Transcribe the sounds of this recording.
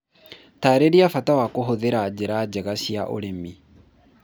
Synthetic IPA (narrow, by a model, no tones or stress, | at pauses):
taɾeɾiafatawakoɦoðeɾaːd͡ʒeɾad͡ʒeɣasiaʔo̰ɾemi